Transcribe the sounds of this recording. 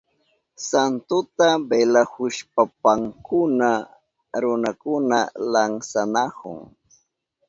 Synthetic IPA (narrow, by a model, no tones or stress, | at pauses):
sant̪ʊt̪abelahʊʃpapaŋkʊna | ɾʊnakʊnalaŋsanahʊ̰ŋ